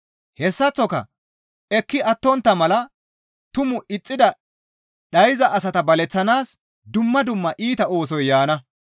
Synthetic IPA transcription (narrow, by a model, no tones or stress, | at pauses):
hɛsːɐt͡sːɔkɐ̰ | ɛkːɪɐt̪ːɔnt̪ːɐmɐlɐ | t̪ʊmʊʔɪt͡sʼːɪd̪ɐ | ɗɐjɪzɐʔɐsɐt̪ɐbɐlɛt͡sːɐnaːs | d̪ʊmːɐd̪ʊmːɐʔiːt̪ɐo̞ːs̬ɔjːaːnɐ